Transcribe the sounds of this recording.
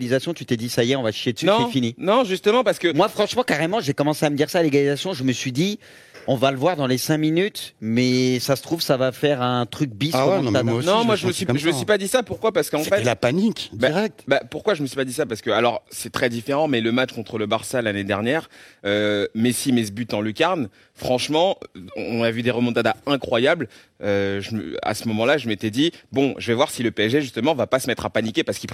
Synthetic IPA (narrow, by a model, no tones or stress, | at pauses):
lizasjɔ̃t̪yt̪ed̪isajɛɔ̃vaʃi̥ʃed̪ə̥synɔ̃sɛfininɔ̃ʒyst̪əmɑ̃paʁsə̥kəmwafχɑ̃ʃmɑ̃kaʁemɑ̃ʒekɔmɑ̃seaməd̪iʁsaːleɡalizasjɔ̃ʒəməsɥid̪i | ɔ̃valəvwaʁd̪ɑ̃lesɛ̃minyt̪mɛsasə̥t̪χuvsavafɛʁɛ̃t̪χyk̚bisanɔ̃mwaʒəməsiʒəməsɥipad̪isapuʁkwapaʁsə̥kəɑ̃sfefɛt̪lapanikd̪baiʁɛk̚t̪bapuʁkwaʒəməsɥipad̪isapaʁsə̥kəalɔʁsɛt̪χɛd̪ifeʁɑ̃mɛləmat͡ʃkɔ̃t̪χələbaʁsalaned̪ɛʁnjɛːʁømɛsimezbyt̪ɑ̃lykʲaʁn | fχɑ̃ʃmɑ̃ɔ̃navyd̪eʁəmɔ̃t̪ad̪aɛ̃kχwajabl | øʒəmə̰a̰səmɔmɑ̃laʒəmet̪ɛd̪ibɔ̃ʒəvɛvwaʁsiləpeɛʒeʒyst̪əmɑ̃vapasəmɛt̪χapanikʲepaʁsə̥ki